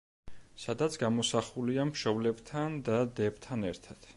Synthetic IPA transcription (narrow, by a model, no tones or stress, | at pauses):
sad̪at̪sʰɡamɔsaχuliamʃɔblɛbt̪ʰand̪ad̪ɛbt̪ʰanɛɾt̪ʰad̪̥